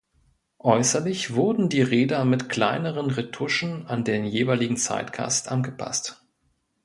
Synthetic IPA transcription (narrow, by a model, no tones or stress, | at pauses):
ʔɔʏsɐlɪçv̥ʊɐdn̩diːʁeːdɐmɪtkʰl̥aɪnəʁənʁetʰʊʃn̩andeːnjeːvaɪlɪɡŋ̩t͡sa̰ɪtɡ̥a̰stʔanɡəpʰa̰st